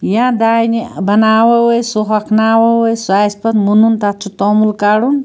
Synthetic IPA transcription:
jãd̪ajnibɐnawɐwojsuɦakʰnawɔwojsajspʌt̪mununt̪at̪t͡ʃʰut̪ɔmulkaɽun

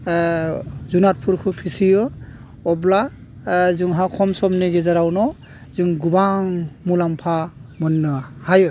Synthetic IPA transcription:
zunat̚pʰuɾkʰɯpʰisijɔ | ɔbla | zɯŋɦakʰɔmsɔmneɡezaɾawnɔ | zɯŋɡubaŋmulampʰamɔnːɯhajɯ

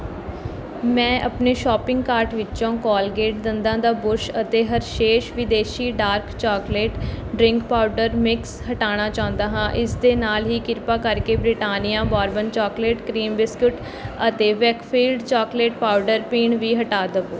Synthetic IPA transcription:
mɛ̃ːʔəpneːʃɔːpɪ̃ŋɡkaːɾʈʋɪt͡ʃõːkɔːlɡeːʈd̪ɪnd̪ãːd̪aːbʊɾʃət̪eːɦəɾʃeːʃʋɪd̪eːʃiːɖaːɾkt͡ʃɔːkleːʈɖɾɪŋkpaːʊɖəɾmɪkshəʈaːɽ̃aːt͡ʃaːʊ̃nd̪aːɦãːʔɪsd̪eːnaːlɦiːkɪɾpaːkəɾkeːbɾɪʈaːnijãːbaːɾbənt͡ʃɔːkleːʈkɾiːmʋɪskɪʈ | ət̪eːʋɛːkpʰiːlɖt͡ʃaːkleːʈ̚paːuɖəɾpiːɳʋiːɦəʈaːd̪əʋoː

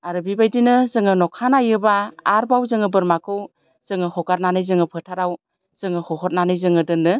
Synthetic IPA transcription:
aɾɯbibajdinɯzɯŋɯnɔkʰanajɯbaːɾbawzɯŋɯbɯɾmakʰɯw | z̥ɯŋɯhɔkaɾnanɯjzɯŋɯpʰɯtʰaɾaw | z̥ɯŋɯhɔɦɔt̚nanɯjzɯŋɯdɯnɯ

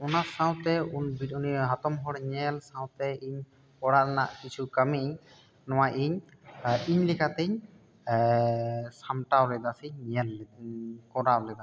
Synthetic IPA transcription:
ɔnasãwt̪ɛunbiuniɦat̪ɔmɦɔɽɲɛlsawt̪ɛiɲ | pɔɽaɾnaʔkit͡ʃʰukəmiɲ | nɔwajʔiɲ | iɲlikʰat̪ɛɲ | samʈawlɛd̪asiɲɲɛl | kɔɾawlɛd̪a

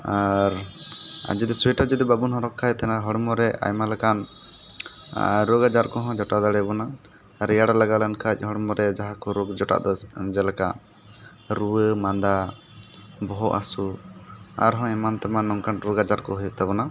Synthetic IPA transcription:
aɾ | a̰d͡ʒud̪isuɛʈad͡ʒɔd̪ibabunɦɔ̃ɾɔkʰːajt̪ɛnaɦɔɽmɔɾɛʔa̰jmalɛkan | ɾoɡad͡ʒaɾkɔɦɔ̃d͡ʒɔʈad̪aɽɛbɔna | ɾɛjaɽalaɡalankʰac̚ˀhɔɽmɔɾɛd͡ʒaɦakɔɾɔɡd͡ʒɔʈa̰ʔd̪ɔd͡ʒɛlaka̰ʔ | ɾuwəmand̪a | bɔɦɔʔa̰su | a̰ɾɦɔ̃ɛmant̪ɛmanɔŋkanɾuɡad͡ʒaɾkɔɦujuʔ̚t̪ɛbɔna

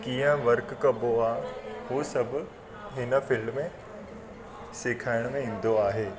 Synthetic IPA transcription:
kiːə̃ʋɐɾkːɐbʱoaːɦuːsɐbʱʊ̆ | ɦɪnə̆fɪlmmẽ | sɪkʰaːɪɽ̃mẽĩːn̆d̪oaːɦeː

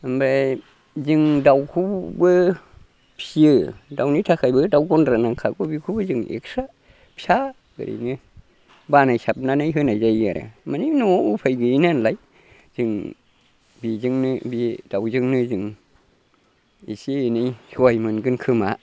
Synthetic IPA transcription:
mbɾɛ | zɨŋdawkʰubə | pʰjədawnit̪ʰakʰajbədawɡondɾanaŋkʰaɡubikʰubəzɨŋʔḛksaʔ | pʰja | ɡə̰ɾḭnɨ | banajsap̚nanajɦənajzajaɾa̰maninuʔupʰajɡəinanlaj | d͡ʒɨŋ | bizɨŋnɨbidawzɨŋnɨzɨŋ | ḭsinijhwjmɨnɡɨnkʰɨmaʔ

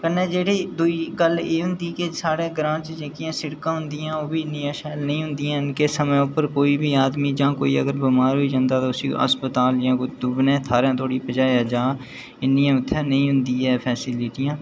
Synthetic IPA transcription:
kənːẽːd͡ʒeːɽeːd̪ʊikəleːɦʊ̃nd̪ikesaːɾẽːɡɾãːt͡ʃd͡ʒẽːkijãːsɪɽkãːɦʊ̃nd̪ijãːoːbʱiːɪnːijãːʃɛːlnəɦĩɦʊ̃nd̪ijãːɪnkesəməʊpəɾkoːibʱiːaːd̪mid͡ʒãːko̰ːiə̰ɡəɾbimaːɾɦoid͡ʒãːnd̪at̪oʊsḭə̰spət̪aːljãːkod̪ʊbnẽːt̪ʰaːɾãːt̪ʰoːɽipəd͡ʒaːjaːd͡ʒãː | ɪnːijãːʊt̪ʰːẽːnəɦĩɦʊ̃nd̪iːɦɛːpʰɛːsɪlɪʈijãː

